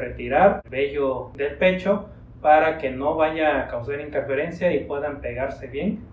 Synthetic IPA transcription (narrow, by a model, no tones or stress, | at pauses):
ret̪iɾaɾbeʝod̪elpet͡ʃo | paɾakenoβaʝaːkawsaɾint̪eɾfeɾensjaipweðampeɣaɾseβjen